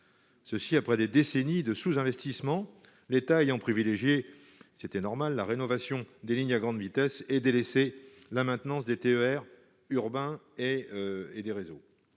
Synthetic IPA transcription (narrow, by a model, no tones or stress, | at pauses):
səsiapχɛd̪ed̪esenid̪əsuzɛ̃vɛst̪ismɑ̃ | let̪aejɑ̃pχivileʒje | set̪ɛnɔʁmalːaʁenɔvasjɔ̃d̪eliɲaɡʁɑ̃d̪vit̪ɛsɛd̪elese | lamɛ̃t̪nɑ̃sd̪et̪eøɛʁ | yʁbɛ̃ | eed̪eʁezo